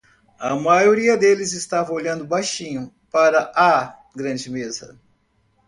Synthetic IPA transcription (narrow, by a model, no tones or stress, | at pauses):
ɐmajoɾiɐd̪elɪzɪst̪avɐ̃oʎɐ̃nd̪ʊbajʃĩɲʊ | paɾɐʔa | ɡɾɐ̃d͡ʒɪmezɐ̰